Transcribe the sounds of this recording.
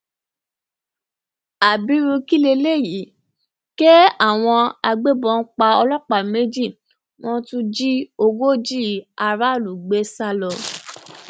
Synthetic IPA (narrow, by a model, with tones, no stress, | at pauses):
a˨bi˨˦ɾũ˧ki˦le˧le˦˨ji˨˦ | ke˦a˦˨w̃ɔ̃˧a˧ɡ͡be˦bɔ̃˧n̩˦k͡pa˧ɔ˧lɔ˦k͡pa˨me˦d͡ʒi˦˨ | w̃ɔ̃˦tũ˦d͡ʒi˦o˧ɡo˦d͡ʒi˦˨a˧ɾa˦˨lu˨ɡ͡be˨˦sa˧lɔ˧